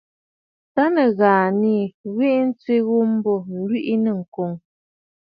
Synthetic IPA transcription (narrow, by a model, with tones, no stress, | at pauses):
ta˦nə˨ɣaː˨ni˦˨ɣwe˦ʔn̩˦t͡sɥe˦ɣu˦m˦bɔ˦n̩˦lwi˦ʔi˦nə˨ŋ̩˨ko˨ŋ